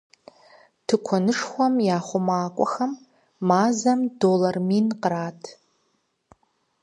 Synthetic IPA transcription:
tʰɨkʷʰɔnɨʂχʷɐmjaːχʷʊmaːkʷʼɔxɐmː | aːzɐmdolarminqəraːtʰ

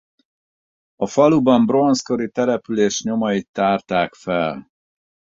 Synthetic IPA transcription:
ɒfɒlubɒmbro̞nsko̞ɾit̪ɛɾɛpyleːʃɲo̞mɒjit̪ːaːrt̪aːkfɛl

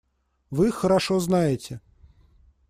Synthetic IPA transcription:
vɨxəɾaʂɔznajɪt͡sʲɛ

